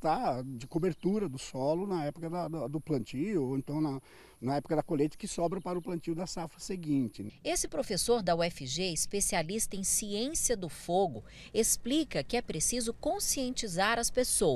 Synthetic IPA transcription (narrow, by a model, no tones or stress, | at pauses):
t̪ad͡ʒɪkobeɾt̪uɾɐd̪ʊsɔlʊnɐɛpʊkɐd̪ɐd̪ɐd̪ʊplɐ̃nt͡ʃijʊoẽnt̪ɐ̃w̃nɐ | nɐɛpʊkɐd̪ɐkolejt̪ɐ̥kɪsɔbɾɐpaɾɐʊplɐ̃nt͡ʃiʊd̪ɐsafɾɐseɡĩnt͡ʃɪesɪpɾofesoɾd̪ɐwɛfɪʒeispesialist̪ɐẽj̃siẽsiɐd̪ʊfoɡʊ | esplikɐpɪɛpɾesizʊkõsiẽnt͡ʃizaɾɐspesow